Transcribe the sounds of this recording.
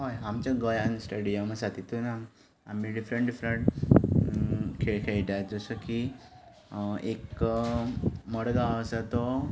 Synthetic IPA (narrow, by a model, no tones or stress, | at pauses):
ɦojamt͡ɕaɡəjansʈəɽijəmasat̪it̪una | amiːɖifɾəɳʈɖifɾəɳʈ | kʰeɭkʰeɭʈ̪at̪̚d͡zəsəki | ek | məɽɡaəsat̪ɔ